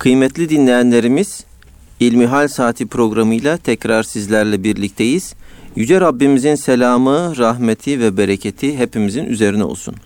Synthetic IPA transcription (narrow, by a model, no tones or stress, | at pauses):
kʰɯjmɛt̪ʰlʲid̪inlʲe̞jænlʲe̞ɾimiz̥ | ilʲmiɦalʲsaːt̪ʰipʰɾo̞ɡɾamɯjlˠat̪ʰɛcɾaɾsizlʲæɾlʲɛbiɾlʲic̚t̪ʰe̞jiz̥jyd͡ʒɛɾabːimizinselʲaːmɯɾaɦmet̪ʰivɛbeɾecʰet̪ʰiɦe̞pimiziny̰ze̞ɾinɛo̰lˠsṵn